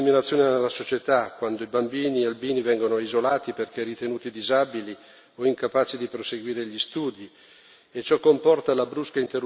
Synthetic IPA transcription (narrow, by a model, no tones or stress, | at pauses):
iminat̪sːjoːnenelːasot͡ʃet̪akwand̪oibambiːniealbiːnivɛŋɡonoizolaːt̪iperk̟ɛrit̪enuːt̪id̪izabili | oiŋkapaːt͡ʃid̪ipɾoseɡwiːɾeʎist̪uːd̪i | et͡ʃːɔkːompɔrt̪alabɾuskaint̪eru